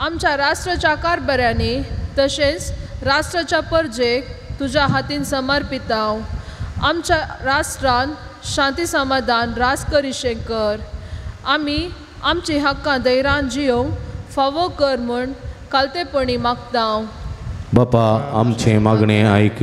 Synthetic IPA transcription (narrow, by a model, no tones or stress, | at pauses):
amt͡ɕjaɾasʈɾət͡ɕakaɾbəɾjanit̪əɕẽt͡sɾasʈɾət͡ɕapəɾd͡zekt̪ud͡ʑaɦat̪insəməɾpit̪ãwamt͡ɕaɾasʈɾanɕãnt̪isəmad̪ʱanɾad͡zkəɾiɕẽkəɾami | amt͡ɕĩɦəkːãd̪əjɾãnd͡ʑijõŋɡfaʋokəɾmuɳkalt̪ẽpəɳimaɡt̪ãwbapaamt͡ɕẽmaɡɳeajk